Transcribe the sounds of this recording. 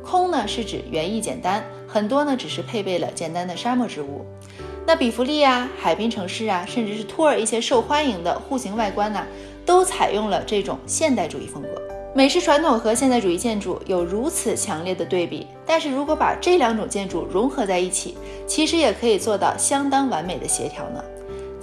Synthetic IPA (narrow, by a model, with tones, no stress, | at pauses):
kʰʊ˥ŋnə˨ʂɻ̩˥˩ʈ͡ʂɻ̩˨˩ɥɛ˧˥ni˥˩t͡ɕjɛ̰˨˩nt̪a˥n | xə˨˩nt̪wɔ˥nə˨ʈ͡ʂɻ̩˨˩ʂɻ̩˥˧pʰe˥˧ɪpe˥˩ɪlə̰˩t͡ɕjɛ˨˩nt̪a˥nd̪ə˨ʂa˥mwɔ˥˩ʈ͡ʂɻ̩˧˥ṵ˥˩ | na˥˩pi˨˩fu˧˥li˥˩a˨˧˩xa˨˩ɪpi˥ŋʈ͡ʂʰɤ˧˥ŋʂɻ̩˥˩ɐ˩ʂə˥˧nʈ͡ʂɻ̩˥˧ʂɻ̩˥˩t̪ʰu˥ə˞˨˩i˥˩ɕjɛ˥ʂo˥˩ʊxwa˥ni˧˥ŋd̪ə̰˧xu˥˩ɕi˧˥ŋwa˥˩ɪkwa˥nɐ˨ | t̪o˥ʊt͡sʰa˨˩ɪjʔʊ˥˩ŋlə˩ʈ͡ʂɤ˥˩ʈ͡ʂʊ̰˨˩ŋɕjɛ˥˧nt̪a˥˩ɪʈ͡ʂṵ˨˩ḭ˥˩fɤ˥ŋkɤ̰˧˥ | me˨˩ɪʂɻ̩˥˩ʈ͡ʂʰwa˧˥nt̪ʰʊ˨˩ŋxɤ˧˥ɕ̬jɛ˥˧nt̪a˥˩ɪʈ͡ʂu˨˩i˥˧t͡ɕjɛ˥˧nʈ͡ʂṵ˥˩jo˨˩ʊɻu˧˥t͡sʰɹ̩˨˩t͡ɕʰjɑ˧˥ŋljɛ˥˩d̪ə˩t̪we˥˩ɪpḭ˨˩t̪a˥˧nʂɻ̩˥˩ɻu˧˥kwɔ˧˥pa̰˨˩ʈ͡ʂɤ˥˩ljɑ˧˥ŋʈ͡ʂʊ˨˩ŋt͡ɕjɛ˥˧nʈ͡ʂu˥˩ɻʊ˧˥ŋxɤ˧˥t͡sa˥˧ɪi˥˩t͡ɕʰḭ˨˩˦ | t͡ɕʰi˧˥ʂɻ̩˧˥jɛ˨˩kʰɤ˧˥i˨˩t͡swɔ˥˧t̪ɑ̰˥˩ʊɕjɑ˥ŋt̪ɑ˥ŋwa˧˥nme˨˩ɪd̪ə̰˦ɕjɛ̰˧˥t̪ʰjɑ̰˧˥ʊnə̰˧